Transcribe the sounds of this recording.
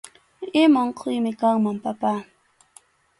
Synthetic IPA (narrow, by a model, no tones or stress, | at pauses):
ɪmoɴqʰʊjmɪkaŋmampapaː